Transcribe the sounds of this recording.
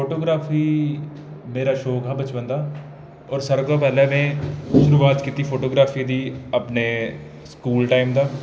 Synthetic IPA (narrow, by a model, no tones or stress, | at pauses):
poːʈoːɡɾaːfʰiː | meːɾaːʃoːɡʱaːbət͡ʃʋə̃nd̪aː | ɔːɾsəɾkaːpɛːlɛmɛ̃ːʃʊɾuːaːt̪kiːt̪iːpʰoːʈoːɡɾaːfʰiːd̪iːəpneː | skuːlʈaːɪmd̪aː